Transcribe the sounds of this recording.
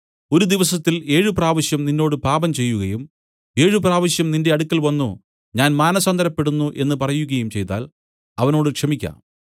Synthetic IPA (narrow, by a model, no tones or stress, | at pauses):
o̞ɾud̪iʋɐsɐt̪ːile̞ːɻupraːʋɐɕjɐmninːo̞ːɽɨpaːbɐmt͡ɕe̞jːuɣɐjum | e̞ːɻɨpraːʋɐɕjɐmninde̞ɐɽukːɐlʋɐnːu | ɲaːnmaːnɐsɐnd̪ʱɐɾɐpːe̞ɽunːuʔe̞nːɨpɐrɐjuɣɐjumt͡ɕe̞jt̪ːa̰ːl | ɐʋɐno̞ːɽɨkʂɐmikʲːa̰ːm